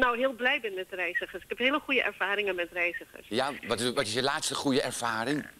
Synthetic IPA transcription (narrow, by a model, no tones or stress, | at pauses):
nowɦɪːlˠblɛjbɛnmɛtərɛjzəχəsɪkhɛpɦɪːləχujəʔɛ̰ɹv̥aːɾɪŋənmɛtrɛjzəχə̰ɹsjaʋɔtʋɔtɪsjəlaːtstəχujəʔɛɹv̥aːrɪŋ